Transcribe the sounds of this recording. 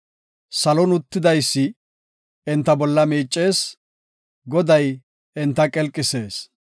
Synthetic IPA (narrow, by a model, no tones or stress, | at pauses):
sɐlɔnʊt̪ːɪd̪ɐjsːɪ | ɛnt̪ːɐbɔlːɐmiːt͡ʃʼːe̞ːs | ɡɔd̪ɐj | ɪnt̪ːɐkʼɛlkʼːɪse̞ːs